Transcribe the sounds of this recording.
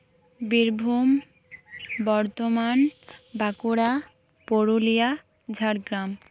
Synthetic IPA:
biɾbʱum | bɔɾt̪omanbakoɾa | poɾulija | d͡ʑʱaɾɡɾam

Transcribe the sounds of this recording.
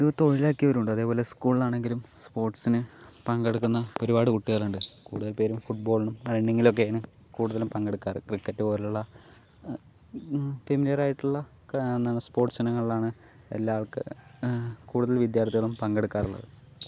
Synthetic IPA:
duʋɐt̪ːo̞ɻilaːkːijɐʋɐɾuɳɖɨɐðe̞ːpo̞ːle̞skuːɭilaːɳe̞ŋɡilumspo̞ːrʈsinɨpɐŋɡeɽukːunːɐoɾubaːɽɨkuʈːiɣɐɭuɳɖɨkṵːɽuðɐlpe̞ːɾumfuʈ̚bo̞ːɭinumɐinɖeŋɡilo̞k̬ːenɨkuːɽuðɐlumpɐŋɡeɽukːaːrɨkrikːɐtːɨpo̞ːɾiuɭːɐ | t̪emːilɐɾaːjiʈːuɭːɐnːaːɳspo̞ːrʈsinɐŋːɐɭilaːɳɨḛlːaːɭkɨ | kuːɽuðɐlʋid̪jaːrt̪iɣɐɭumpɐŋɡeɽukːaːruɭːɐ̰ðɨ

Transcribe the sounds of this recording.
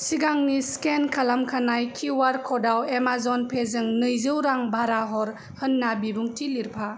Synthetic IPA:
siɡaŋniskenkʰalamkʰanajkʰiwaɾkʰɔdawemazɔnpʰezɯŋnɯjzɯwɾaŋbʱaɾaɦɔɾ | hɯnːabibuŋtʰiliɾpʰa

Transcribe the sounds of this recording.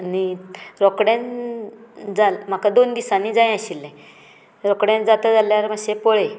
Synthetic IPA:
niɾɔkɽẽn | d͡zalm̤akad̪ond̪isanid͡zaj̃aɕilːẽ | ɾɔkɽẽnd͡zat̪əd͡zaljaɾmaɕẽpoɭe

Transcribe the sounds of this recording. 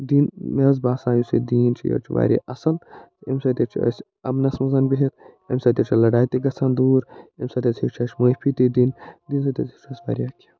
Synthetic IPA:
d̪inmɐzbaːsaːjusḭd̪iːnt͡ʃʰḭjo̰ːt͡ʃʰiʋa̰ːɾḭʔɐsɐlemsɐt̪ʲet͡ʃʰiɐ̰sʲ | ɐ̰mnɐsmɐzɐnbiɦet̪ḛmʲsɐt̪ʲet͡ʃʰilɐɖaːjt̪iɡɐsɐːnd̪uːɾemʲsɐt̪ʲɐsʰit͡ʃʰɐt͡ʃmoːpʰit̪id̪ind̪iːnsɐt̪ʲɐsʰit͡ʃʰɐsʲʋa̰ːɾiakʰi

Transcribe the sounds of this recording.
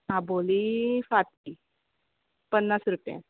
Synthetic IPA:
ɦãbolifat̪i | pənːasɾupjã̰

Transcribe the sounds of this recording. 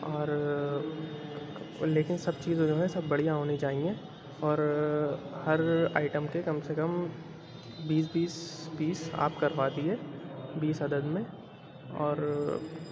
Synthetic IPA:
ɔːɾ | leːkɪnsɐb̚t͡ʃiːzẽd͡ʒoːɦɛsɐbːɐɽ̤ijaɦoːnid͡ʒaːɦĩŋɡe | ɔːɾ | hɐɾa̰ːɪʈəmkekɐmsekəm | biːs̬biːsbiːsa̰ːpkɐɾʋaːt̪iɦɛbiːsɦɐd̪əd̪mẽ | ɔ̰ːɾ

